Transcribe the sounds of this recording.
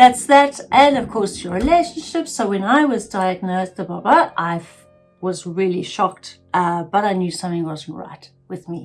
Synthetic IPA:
ðætsðæɾʔɨ̃nʌv̥kʰɔɹsəɹileɪʃn̩ʃɪpsoʊwɨ̃naɪwʌzdaɪɨɡ̚noʊzəbʌbəʔaɪ | wʌzɹɪlˠiʃɑk̚t | ʔʌb̥ʌɾaɪnjʉsʌ̃mθɪ̃ŋwʌzn̩tɹa̰ɪt̚ | wɨðmḭ

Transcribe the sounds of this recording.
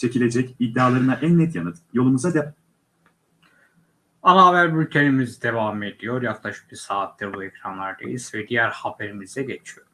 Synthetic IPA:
t͡ʃʰe̞cilʲe̞d͡ʒɛcid̪ːaːlˠaɾɯnaʔænːɛt̪ʰjanɯt̪jo̞lˠumuzad̪ɛ | anavæɾbylʲcʲʰenimizid̪e̞vamed̪ijo̞ɾjaklˠaʃɯ̥p̚biɾsaːt̪ʰːɛbuɛcɾanlˠaɾd̪a̰jiz̥vɛd̪ijæɾhabeɾimizɛɟet͡ʃʰijoɾ

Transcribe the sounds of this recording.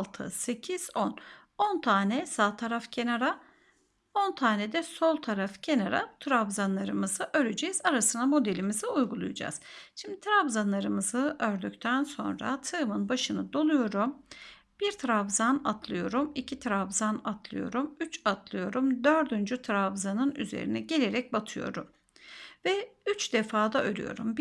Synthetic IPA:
lˠt̪ʰɯ̰se̞cʰiz̥on | ont̪ʰaːnɛsaːt̪ʰaɾafcʰe̞naɾa | o̞nt̪ʰaːnɛd̪ɛso̞lˠt̪ʰaɾafcʰe̞naɾa̰t̪ʰɾavzanlˠaɾɯmɯzɯʔøɾyd͡ʒejizaɾasɯnamo̞d̪elʲimiziujɡulˠṵjud͡ʒa̰z̥ʃimd̪it̪ʰɾavzanlˠaɾɯmɯzɯʔøɾd̪ycʲt̪ʰænso̞̰nɾa̰t̪ʰɯmɯnbaʃɯnɯd̪o̞lˠujo̞ɾum | b̥iɾt̪ʰɾavzana̰t̪ʰlˠɯjo̞ɾumicʰit̪ʰɾavzanat̪ʰlˠɯ̰jo̞̰ɾumyt͡ʃat̪ʰlˠɯjo̞ɾumd̪øɾd̪ynd͡ʒyt̪ʰɾavzanɯny̰zḛɾḭnɛɟe̞lʲe̞ɾɛc̚bat̪ʰɯjo̞̰ɾum | vɛyt͡ʃd̪̥efaːd̪aøɾy̰jo̞̰ɾṵmb

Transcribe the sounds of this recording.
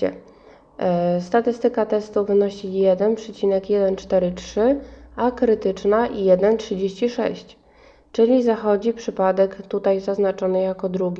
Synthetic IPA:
ɛ̰ | st̪at̪ɘst̪ɘkat̪ɛst̪uvɘnɔɕijɛd̪ɛnpʂɛt͡ɕinɛkjɛd̪ɛnt͡ʂt̪ɛɾɘt͡ʂʂɘakɾɘt̪ɘt͡ʂnaʔijɛd̪ɛntʂɘd͡ʑeɕt͡ɕiʂɛ̰ɕt͡ɕ | t͡ʂɘlʲizaxɔd͡ʑipʂɘpad̪ɛkt̪ut̪ajzaznat͡ʂɔnɘjakɔd̪ɾuɡʲi

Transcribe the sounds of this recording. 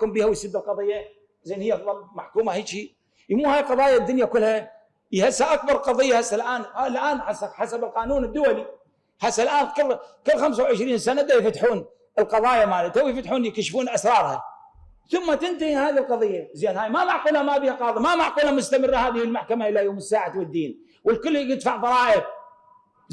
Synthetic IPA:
kʊmbiːhawjsɪd̪ːɪlqɑðˤɨjːa | zeːnhɪjːðˤɑlmaʕkuːmahaːʃiː | jmuːhaːjqɑðˤɑːjad̪ːʊnjakʊlːha | jhasːaʔak̚bɑɾˤlqɑðˤɨjːahasːalʔaːnlʔaːnħasːaħasabɪlqɑːnuːnɪd̪ːʊwali | ħasːalʔaːnkʊlkʊlːxamsawʕɪʃɾiːnsːanad̪ajfat̪ħuːn | əlqɑðˤɑːjamaːlɪt̪awjfat̪ħuːnjkaʃfuːnʔasɾˤɑːɾˤha | θʊmːat̪ɪnt̪ahihaːðilqɑðˤɨjːazeːnhaːjmamaʕquːlhamaːbiːhaqɑːðˤimamaʕquːlhamʊst̪amɪrːahaːðɪhɪlmaħkamaʔɪlːajoːmɪsːaːʕawɪd̪ːiːn | wəlkʊlːhjɪd̪faʕðˤɑɾˤɑːʔɪb

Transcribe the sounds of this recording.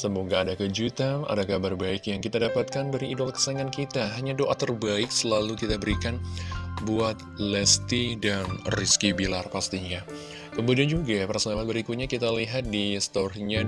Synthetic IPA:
səmoɡaːdakəd͡ʒut̪aŋʔa̰dakabarbaɪkjaŋkit̪adapat̪̚kanbaɾiːdɔlkə̥saŋankit̪aɦaɲadoʔat̪ərbaɪk̚səlalukit̪abəɾikanbuat̪̚lɛst̪idanriskibilarpast̪iɲa | kəmudiand͡ʒuɡapərsonalabəɾikut̪̚ɲakit̪aliɦat̪̚dist̪ɔrɲa

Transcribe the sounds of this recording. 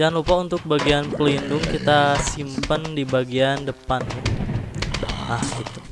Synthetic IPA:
d͡ʒaŋanlupaunt̪ʊk̚baɡianpəlindʊŋkit̪asimpəndibaɡiandəpanu | ahɡit̪u̥

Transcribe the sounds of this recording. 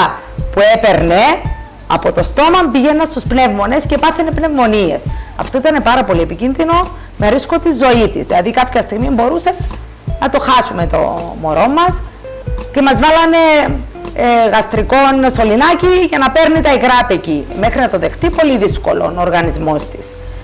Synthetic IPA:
pue̞pe̞ɾne | ɐ̰po̞t̪o̞st̪o̞mɐmbiʝe̞nːɐnst̪uspne̞vmo̞ne̞sce̞pɐθenepne̞vmo̞nie̞̰sɐ̰ft̪o̞it̪ɐne̞pɐɾɐpo̞liepicinðino̞ | me̞ɾisko̞t̪izo̞it̪izilɐðikɐpçɐst̪iɣmimbo̞ɾuse̞ | nɐt̪o̞xɐsume̞t̪o̞̰moɾo̞mːɐs | ce̞mɐzvɐlɐne̞ | ɣɐst̪ɾiko̞nso̞linɐciʝɐnɐpe̞ɾnit̪ɐikɾɐpecime̞xɾinɐt̪o̞ðe̞xt̪ipo̞liðisko̞̰lo̞̰nooɾɣɐnizmo̞st̪i̥s

